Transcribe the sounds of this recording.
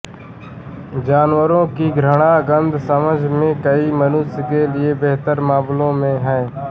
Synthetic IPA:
d͡ʒaːnʋəɾõːkiːɡɾəɳaːɡənd̪ʱsəməd͡ʒʱmẽːkəiːmənuːsɪɡeːlɪeːbeɦt̪əɾmaːmlõːmẽːɦəẽː

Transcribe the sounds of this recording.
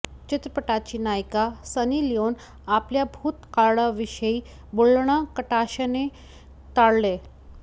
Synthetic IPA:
t͡ɕɪt̪ɾəpəʈat͡ɕinajkasənilijon | apljabʱuːt̪kaɽaʋiɕəi | boɭɳ̃ãkəʈaɕəne | t̪aɽle

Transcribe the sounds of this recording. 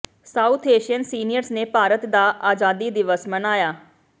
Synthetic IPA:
saːut̪ʰeːʃiənsiːnɪjəɾsneːpaːɾət̪d̪aːʔaːd͡ʒaːd̪iːd̪ɪʋəsmənaːjaː

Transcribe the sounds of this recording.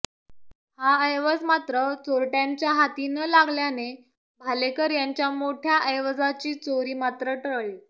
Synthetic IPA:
haəjʋəd͡zmat̪ɾət͡soɾʈjaɲt͡ɕjaɦat̪iːnəlaɡljane | bʱalekəɾjaɲt͡ɕjamoʈʰjaʔəjʋəd͡zat͡ɕiːt͡soɾiːmat̪ɾəʈəɭɭiː

